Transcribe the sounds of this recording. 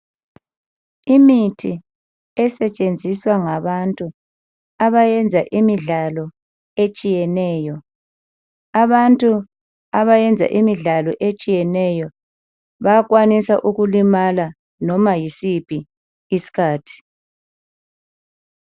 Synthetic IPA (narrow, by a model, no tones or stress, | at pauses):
imitʰi | ɛsɛt͡ʃʼend͡zʱiswaŋaβantʼu | aβajɛnd͡zʱaʔimiɮalɔ | et͡ʃʼijɛnɛːjɔ | aβantʼu | aβajɛnd͡zʱa̰ʔimiɮalɔʔet͡ʃʼijɛnɛjɔ | βaɣwanisaʔuɣulimala | nɔmajisipʰʼiː | si̥kʰaːtʰi̥